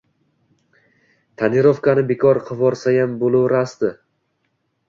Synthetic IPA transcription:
t̪ʰanɪɾɒfkanɪbekʰɒɾqʰɨvɒɾsajambolˠɪwɾasd̪ɪ

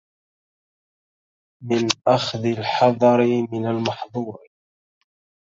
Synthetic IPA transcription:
mɪnʔaxðɪlħɑðˤɑɾɪmɪnalmɑħðˤuːɾ

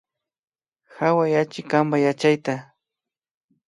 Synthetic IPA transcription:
xawajat͡ʃɪkambajat͡ʃajt̪a

